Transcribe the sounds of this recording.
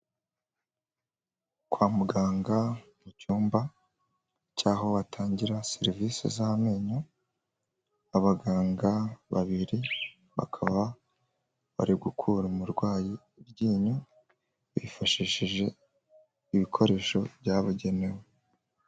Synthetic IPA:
kwaːmuɡaːŋɡamucuːmba | caːho̞βatʰaːɲɟiɾaseɾivisḭzahame̞ːɲo | aβaɡaːŋɡaβaβiɾi | βa̰kʰaβa | βa̰ɾiɡukʰuɾumuɾɡwaːji | bɟiːɲu | βḭfaʃiʃiʒe̞ | iβikʰo̞ɾe̞ːʃo̞βjaːβuɟe̞ne̞we

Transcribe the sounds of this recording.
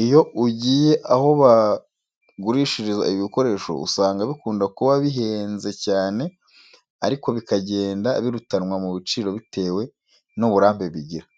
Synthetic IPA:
ijo̞uɟiːje̞ʔaho̞βa | ɡuɾiːʃiɾizaiβiko̞ɾe̞ːʃo̞̰ṵsaːŋɡaβikuːndakuβaβiɦe̞ːnze̞caːne̞ | aɾiko̞βikaɟe̞ːndaβiɾutanŋwamuβit͡ʃiːɾo̞βite̞ːwe̞ | nuβuɾaːmbe̞βiɟiɾa

